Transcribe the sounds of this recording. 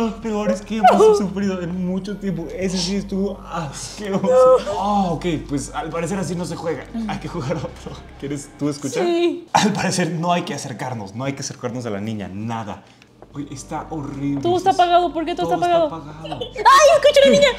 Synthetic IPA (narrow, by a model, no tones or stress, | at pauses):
ospeo̞ɾeskeeosufɾiðoenmũt͡ʃot̪je̞mp̬oeses̬ist̪uaskeoookejpwesalpaɾes̬e̞ɾas̬ino̞s̬exwe̞ɣa̰ajkexuɣaɾot̪ɾo | kjeɾest̪ueskut͡ʃaɾalpaɾese̞ɾno̞ajkeaseɾkaɾnosno̞ajkease̞ɾkaɾno̞z̬ala̰nĩɲa̰naða̰ | ojʔest̪aʔoriβloðoest̪aspaɣaðopoɾket̪ost̪opaɣaðopaɣaðoajeskut͡ʃalanĩɲa